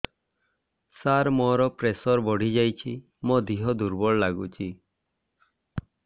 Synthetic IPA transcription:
saɾmɔɾɔpɾesɔɾbɔɽ̤ʱid͡ʒajt͡ʃʰi | mod̪iɦɔd̪uɾbɔɭlaɡut͡ʃʰi

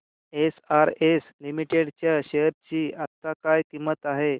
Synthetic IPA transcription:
esaɾeslimiʈeɽt͡ɕjaɕeɾt͡ɕiːat̪ːakajkimət̪aɦe

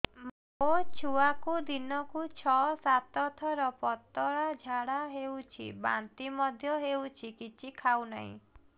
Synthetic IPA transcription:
m | ot͡ʃʰuakud̪inɔkut͡ʃʰɔsat̪ɔt̪ʰɔɾɔpɔt̪ɔɭad͡ʒʱaɽaɦewt͡ʃʰḭba̰nt̪imɔd̪ʱjɔɦewt͡ʃʰikit͡ʃʰikʰawna̰ɦḭ̃

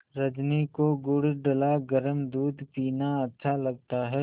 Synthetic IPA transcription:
ɾɐd͡ʒnikoɡʊɽɖəlaɡəɾəmd̪uːd̪piːnaɐtːʃʰalɐɡ̚t̪aɦɛ

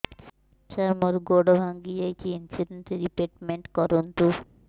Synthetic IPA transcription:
t͡ɕaɾmoɾɡoɖobʱaŋɡiejt͡ʃʰiinsiɖeɳʈeɾipeʈmeɳʈkɔɾunt̪u

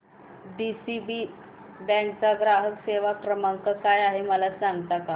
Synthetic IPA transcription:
ɖisibi | bɛ̃ɳt͡saɡɾaɦəkseʋakɾəmaŋkəkajaɦeməlat͡saŋɡt̪aka

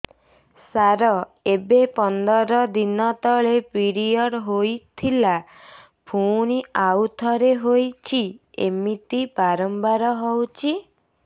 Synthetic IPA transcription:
saɾɔebepɔnd̪ɔɾɔd̪inɔt̪ɔɭepiɾiɔɽɦojt̪ʰila | pʰuñiawt̪ʰɔɾeɦojt͡ʃʰiḛmit̪ipaɾɔmbaɾɔɦɔwt͡ʃʰi

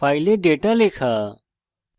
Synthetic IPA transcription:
paːjleɖeːʈalekʰaː

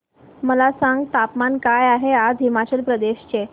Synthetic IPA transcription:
məlasaŋɡ̚t̪apmankajaɦead̪ʱimat͡ɕəlpɾəd̪eɕt͡ɕe

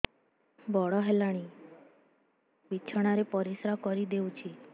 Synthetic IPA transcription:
bɔɭɔɦɛlaɽ̃i | ʋit͡ʃʰɔɽ̃aɾepɔɾisɾakɔɾid̪eut͡ʃʰi

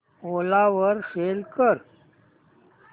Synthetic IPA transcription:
oːlaʋəɾfeːlkəɾ

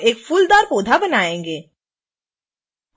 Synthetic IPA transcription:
eːkfuld̪aːɾpoːd̪ʱabənaːẽːŋɡeː

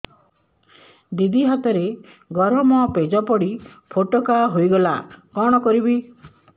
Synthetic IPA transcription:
d̪id̪iɦat̪ɔɾe | ɡɔɾɔmɔped͡ʒɔpɔɽipʰoʈɔkaɦojɡɔlakɔɽ̃ɔkɔɾibi

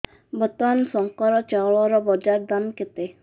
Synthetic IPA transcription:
bɔt̪ansɔŋkɔɾɔt͡ʃaɭɔɾɔbɔd͡ʒaɾd̪anket̪e

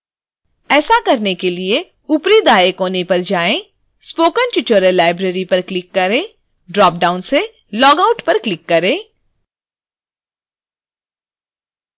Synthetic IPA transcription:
ɛːsakɐɾnekelie | ʊpɾid̪aːekoːnepɐɾd͡ʒaːẽ | spoːkəntjʊt͡ʃəɾəlaːɪbɾeːɾipɐɾklɪkːɐɾẽː | ɖɾɔːp̚ɖaːʊnse | lɔːɡaʊʈpɐɾklɪkːɐɾẽː

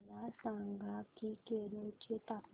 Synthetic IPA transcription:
lasaŋɡakikeɾot͡ʃet̪a

